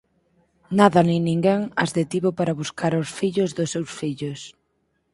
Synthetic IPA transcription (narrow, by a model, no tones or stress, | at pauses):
naðɐninĩŋɡeŋazðet̪iβopaɾaβuskaɾʊsfiʎʊzðʊsewsfiʎʊs